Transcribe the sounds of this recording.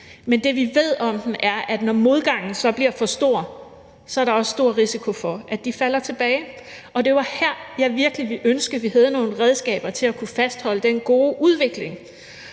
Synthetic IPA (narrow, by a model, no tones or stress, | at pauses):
mend̥e̝ʋiʋe̝ð̞̰ˠɒ̽md̥n̩æɐæd̥nɒmo̝ð̞ˠɡ̥ɑ̈ŋ̰n̩sɒ̽b̥liɐfɒ̽sd̥o̝ɐ̰ | sɒ̽æɐɾɑ̈ɒ̽ssːd̥o̝ɐ̰ʁisikʰo̝fɒ̽ʔæd̥ifæl̰ɐt͡sʰe̝b̥ɛːɪ | ɒ̽d̥e̝ʋɑ̈hæɐ̰jɑ̈ɪʋiɐɡ̥liʋiʔønsɡ̥əð̩ˠʋiɦæð̞ˠno̝ːn̩ʁɛð̞ˠsɡ̥ɛ̰ːb̥ɐt͡sʰe̝lækʰufæsd̥hɒ̽l̰əd̥enɡ̥o̝ːʔuð̞ˠʋe̝ɡ̥le̝ŋ